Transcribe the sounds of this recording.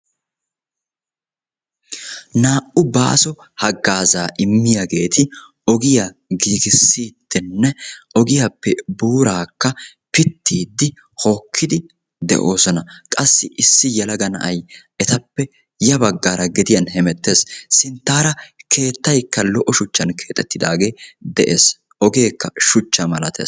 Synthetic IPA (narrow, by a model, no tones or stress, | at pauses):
naːʔʊba̰ːsɔ | hɐɡːaːzaːʔɪmːɪjɐɡe̞ːt̪ʰɪ | ɔɡɪjaɡiːɡɪsːiːd̪̥ːɪnːɛɔɡɪjapːɛbuːɾaːkːɐ | pɪt̪ʰːiːd̪ːɪ | ho̞ːkʰːɪd̪ɪ | d̪ɛ̰ʔo̞ːsɔnɐkʼɐsːɪʔɪsːɪjɛlɐɡɐnɐ̰ʔɐj | ɛt̪ɐpːɛ | jɐbɐɡːaːɾɐɡɛd̪ɪjɐnhɛmɛt̪ːe̞ːssɪnt̪ːaːɾɐkʰe̞ːt̪ːɐjkːɐlɔʔɔʃʊt͡ʃːɐnkʰe̞ːt̪ʼːɛt̪ːɪd̪aːɡe̞ːd̪ɛʔḛːs | ʔɔɡe̞ːkːɐʃʊt͡ʃːɐmɐlɐt̪ʰḛː